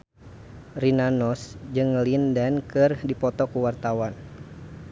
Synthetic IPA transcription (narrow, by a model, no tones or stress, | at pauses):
rinanɔsd͡ʒɨŋlindankɨrdipɔt̪ɔkuwart̪awan